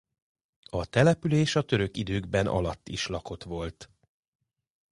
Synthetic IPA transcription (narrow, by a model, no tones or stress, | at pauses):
ɒt̪ɛlɛpyleːʃɒt̪ø̞ɾøkid̪øːɡbɛnʔɒ̰lɒt̪ːiʃlɒko̞t̪ʋo̞lt̪